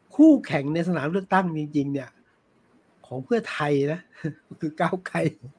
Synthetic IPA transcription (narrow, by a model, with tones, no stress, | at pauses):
kʰuː˥˩kʰɛ˨˩˦ŋna˧js̬a˧nʰaː˩˦lɯ˥˩ək̚t̪a˥˩ŋt͡ɕi˧ŋt͡ɕi˧ŋni˥˩ɐ | kʰɔː˩˦ŋpʰɯ˥˩ɐt̪ʰa˧jna˦˥˩kʰɯː˧kaː˥˩wkʰa˧˩j